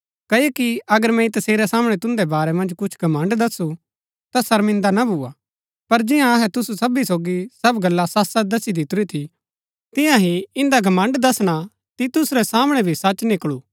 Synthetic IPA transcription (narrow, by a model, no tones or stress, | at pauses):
kɐokiɐɡəɾmɛ̃it̪ɐseːɾɛsaːmɽ̃ɛt̪ʊ̃nd̪ɛbaːɾɛmɐ̃nd͡ʒkʊt͡ʃʰɡʱɐmɐ̃ɳɖd̪ɐsu | t̪asɐɾmɪ̃nd̪anabʱuːa | pɐɾd͡ʒɪjãɐɦɛt̪ʊsusɐbisoːɡisɐbɡɐlːasaːsad̪ɐsid̪ɪt̪ʊɾit̪ʰi | t̪ɪ̃jãɦiɪ̃nd̪aɡʱɐmɐ̃ɳɖd̪ɐsɽ̃a | t̪it̪ʊsɾɛsaːməɽ̃ɛbʱisɐt͡ʃnɪkɭu